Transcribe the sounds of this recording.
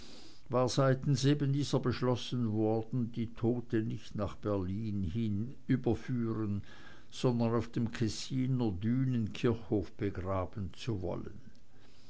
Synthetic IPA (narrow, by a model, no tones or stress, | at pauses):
vaːɐzaɪtn̩seːbəndiːzɐbəʃlɔsənvɔɐdn̩diːtʰoːtənɪçtnaːχb̥ɛɐliːnhin | ʔyːbɐfyːʁən | z̥ɔndɐnaʊfd̥eːmkʰɛsiːnədyːnənkʰɪɐçhoːfb̥əɡʁaːb̥ən̩t͡suvɔ̰lə̰n